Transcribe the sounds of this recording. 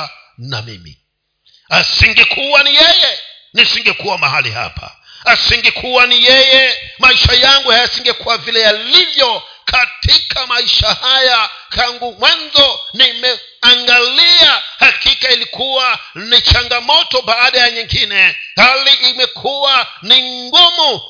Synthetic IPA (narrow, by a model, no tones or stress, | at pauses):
na̰mḭmḭ | asiŋɡɛkʰuwanijɛjɛ | nisiŋɡɛkuwamahalḭha̰pʰa̰ | asiŋɡɛkʰuwanijɛjɛmaiʃajaŋɡuhajasiŋɡɛkuwavilɛjalivjɔ | kʰatikʰamaiʃahajataŋɡumwanzɔnimɛ | aŋɡaliahakikailikuwanit͡ʃaŋɡamɔtɔbaːɗajaɲiŋɡinɛhaliʔːmɛkʰuwa | niŋɡɔmɔ